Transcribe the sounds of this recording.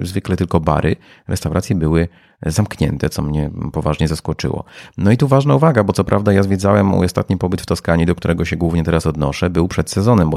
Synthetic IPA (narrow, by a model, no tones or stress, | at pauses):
zvɘklɛt̪ɘlkɔba̰ɾʔɘ̰ | ɾʔɛst̪awɾat̪sʲjɛbɘwɘ | zamkɲɛ̰nt̪ɛt̪sɔmɲɛpɔvaʐɲɛzaskɔt͡ʂɘ̰wɔ̰nɔit̪uvaʐnauvaɡabɔt̪sɔpɾʔavd̪ajazvʲjɛd̪zawɛmṵɔst̪a̰t̪̚ɲipɔbɘt̪ft̪ɔskaɲid̪ɔk̚t̪uɾɛɡɔɕɛɡwuvɲɛt̪ɛɾasɔd̪nɔʂɛbɘwpʂɛt̪sɛzɔnɛmbɔ